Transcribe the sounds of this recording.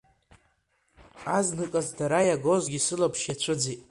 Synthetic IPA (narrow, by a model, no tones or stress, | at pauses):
aznɨkʼazdaɾajaɡo̞zɡʲisɨlapʰʃjat͡ɕʷʰʊd͡zitʼ